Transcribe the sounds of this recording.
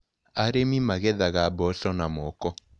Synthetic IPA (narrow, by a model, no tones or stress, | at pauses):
aɾemimaɣɛðaɣabɔsɔnamɔkɔ